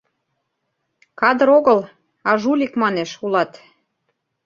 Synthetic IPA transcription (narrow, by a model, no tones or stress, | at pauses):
kɑd̪ə̆ɾoɣəl | ɑʒulʲikmɑneʃulɑt̪